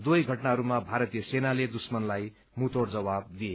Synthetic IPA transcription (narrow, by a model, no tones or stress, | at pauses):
d̪ujɡʱʌʈnaɦʌɾumabʱaɾʌt̪ijʌsenaled̪usmʌnlaj | mut̪oɽd͡zʌwab̚d̪ie